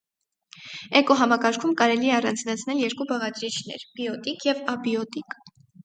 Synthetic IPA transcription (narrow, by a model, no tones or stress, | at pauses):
ɛkɔɦɑmɑkɑɾkʰumkɑɾɛliɛɑrɑnd͡znɑt͡sʰnɛljɛɾkubɑʁɑd̪ɾit͡ʃʰnɛ̰ɾb̥iɔt̪ikjɛvɑbiɔt̪ik